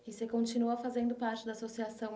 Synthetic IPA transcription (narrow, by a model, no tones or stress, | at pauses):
ɪsekõt͡ʃinuɐfazẽnd̪ʊpaɾt͡ʃɪd̪ɐasosiasɐ̃w̃